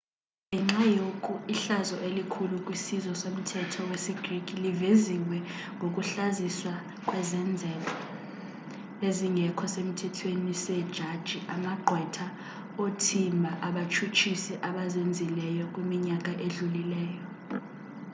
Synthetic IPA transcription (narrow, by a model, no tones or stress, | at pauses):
nɛŋ͡ǁajokʼuiɬazɔʔelikʰulukʼwisizɔsom̩tʰɛtʰɔwesiɡ̥rikʼiliveziŋwɛŋʱok̬ʼuɬaziswa | kʼwɛzɛnd͡zʱɛla | eziŋʱɛkʰɔsem̩tʰɛtʰwenisɛd̥ʒ̥ʱad̥ʒ̥ʱiʔamaɡ͡ǃʱwɛtʰa | otʰimbʱaʔaɓat͡ʃʰut͡ʃʰisɛʔaɓazend͡zʱilɛjɔk̬ʼwimiɲak̬ʼaʔeɮulilɛːjɔ